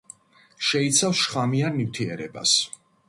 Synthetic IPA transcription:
ʃɛit̪sʰafsʃχamiannift̪ʰiɛɾɛba̰s

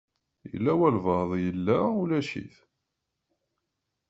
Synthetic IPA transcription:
jə̰lːæwælvəhðˤjəlːæulæʃḭθ

